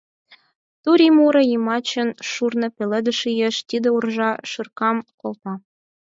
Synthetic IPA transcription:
t̪uɾʲimuɾɤ̆jimɑt͡ɕə̆nʃurnɤ̆pʲelĕd̪ə̆ʃijeʃt̪id̪ĕurʒɑʃɯrkɑmkolt̪ɑ

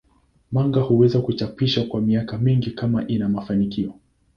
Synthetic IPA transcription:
maŋɡahuwɛzakut͡ʃapiʃakwamiakamiŋɡikamaʔinamafanikiɔ

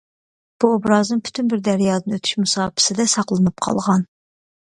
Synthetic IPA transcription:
b̥uobɾɑːznɨnpʰy̥t̪ʰynbɪɾd̪æɾjɑːd̪ɨnøt̪ʰy̥ʃmusɑːpʰɪ̥sɪd̪ɛsɑqlˠɨnɨp̚qʰɑ̰lˠʁɑn

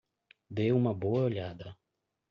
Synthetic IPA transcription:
d̪ewũmɐboɐoʎad̪ɐ

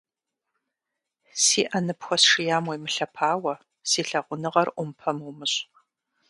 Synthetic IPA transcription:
siːʔɐnɨpxʷɔsʂɨjaːmwɐjmɨɬɐpʰaːwɐ | siːɬɐʁʷʊnɨʁɐrʔʷʊmpʰɐmuwmɨɕʼ

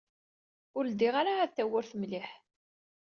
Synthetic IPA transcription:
ʊɾd̪iʁaɾaːðθːæwːʊɾθəmlɪħ

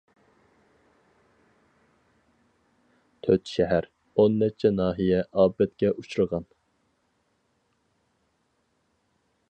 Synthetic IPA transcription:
t̪ʰøt̪ʃɛɦæɾ | onːɛt͡ʃʰɛnɑːɦijɛʔɑːbɛt̪̚kʲɛʔut͡ʃʰuɾəʁɑn

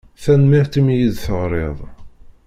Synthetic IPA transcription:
θænmɪħt̪imjiðθəʁɾˤeðˤ

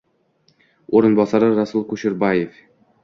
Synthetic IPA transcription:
oɾɤ̆nbɑsɑɾɤɾɑsulˠkuʃɪɾbajef

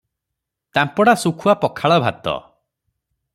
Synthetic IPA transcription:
t̪ampɔɽasukʰuapɔkʰaɭɔbʱa̰t̪ɔ̰

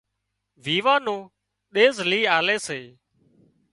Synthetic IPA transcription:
ʋiːʋãːnõː | ɗeːzliːaːleːseː

